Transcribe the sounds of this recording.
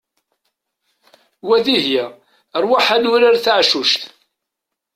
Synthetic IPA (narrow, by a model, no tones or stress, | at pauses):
wæðihja | ɾˤwaħanʊɾaɾθaʕʃuʃt̪